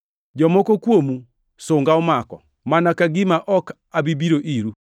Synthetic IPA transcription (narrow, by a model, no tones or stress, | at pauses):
d͡ʒɔmɔkokwomu | sʊŋɡaɔmakɔ̰ | manakaɡimaʔɔk | abibiɾoʔiɾu